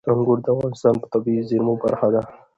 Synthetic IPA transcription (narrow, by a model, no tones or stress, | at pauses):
aŋɡʊɾd̪afɣɑnɪst̪ɑːnpə̥t̪abizɪɾmopa̰ɾxad̪a